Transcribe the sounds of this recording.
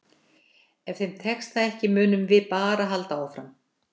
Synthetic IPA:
ɛfθejmt̪ʰɛkst̪aɛhcɪmʏːnʏmvɪðpaːɾaɦalt̪aɔwfɾam

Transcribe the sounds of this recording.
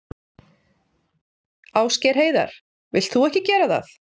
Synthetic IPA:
aːwscɛɾ̥ɦeːjða̰ɾ̥ | vɪ̰l̥t̪θuɛhcɪcɛːɾaθa̰θ

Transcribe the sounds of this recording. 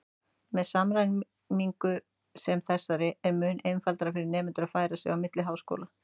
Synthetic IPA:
mɛðsamɾajn | miŋkʏ | sɛmθɛsːaɾɪɛɾmʏːnejnfalt̪aɾafɪɾɪɾnɛːmʏnt̪ʏɾaðfaːjɾasɛ̰ɣawmɪt̪lɪɦaːwsko̰ːla

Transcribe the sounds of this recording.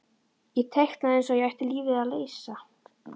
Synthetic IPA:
jɛt̪ʰɛxt̪naðejnsɔjɛajht̪ɪliːvɪðaðleːjsa

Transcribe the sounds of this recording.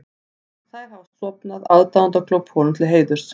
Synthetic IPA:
θaðɦafst̪sɔpnaðaðt̪aðant̪akʰlɔwphɔːlʏmt̪ʰɪlɦeːjðʏɾ̥s

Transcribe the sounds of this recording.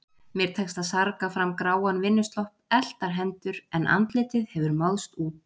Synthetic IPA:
mjɛɾ̥t̪ʰɛkst̪aðsaɾkafɾamkɾaːwanvɪnːʏst̪lɔhpɛl̥t̪aɾ̥ɦɛnt̪ʏɾɛnʔa̰nt̪lɪːt̪ɪðhɛvʏɾmaðst̪uːt̪̚

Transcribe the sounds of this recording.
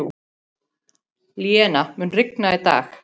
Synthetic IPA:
ljɛnamʏnrɪknait̪a̰ːx

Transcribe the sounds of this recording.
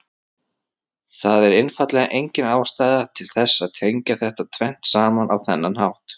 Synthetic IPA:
θaðɛɾɪnfat̪lɛɣaʔejɲcɪnaːwst̪aːjðat̪ʰɪlθɛsːaðt̪ʰejɲcaθɛht̪at̪ʰvɛn̥t̪saːmanʔawθɛnːanhawht̪

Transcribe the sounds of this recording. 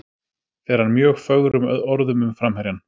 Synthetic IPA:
θɛɛɾ̥hanmjœːɣfœɣɾʏmɔɾðʏmʏmfɾamhɛɾjan

